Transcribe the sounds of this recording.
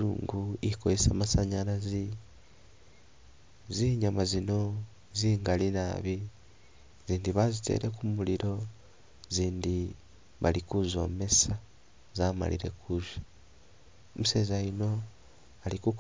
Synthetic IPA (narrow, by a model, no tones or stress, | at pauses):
ṵːŋɡuikojesamasaɲaɾazi | ziːɲamazino̞ | ziːŋɡalinaβi | z̥iːndiβazite̞̰ːɾʔe̞kumuliɾo̞ | ziːndi | βalikuzo̞̰ːme̞sa | zaːma̰lḭɾe̞̰kuʒḁ | omuse̞zajino̞ | aliku